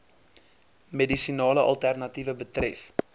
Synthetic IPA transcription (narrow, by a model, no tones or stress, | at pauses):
medisinɑːləʔɐlˠtærnɐtivəbətrɛf